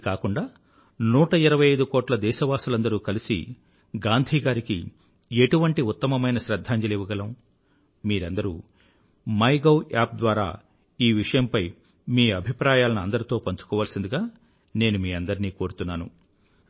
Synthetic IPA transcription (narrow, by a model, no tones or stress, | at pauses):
kaːkuɳɖaː | nuːʈɐiɾɐʋɐjɐjd̪ukɔːʈlɐd̪ɛːʃɐʋaːsulɐnd̪ɐɾuːkɐlisḭ | ɡaːnd̪ʱiːɡaːɾikḭ | e̞ʈuʋɐɳʈiut̪ːɐmɐmɐjnɐʃɾɐd̪ʱːaːɲd͡ʒɐleːʋuɡɐlɐm | miːɾɐnd̪ɐɾṵː | mɐjɡɐwaːp̚d̪ʋaːɾa̰ː | iːʋiʂɐjɐmpɐj | miːɐbʱipɾaːjaːlɐnuɐnd̪ɐɾit̪o̞ːpɐɲt͡ʃu̥kɔːʋaːlɐsind̪uɡaː | ne̞ːnumiːɐnd̪ɐɾiniːko̞ːɾut̪unːaːnṵ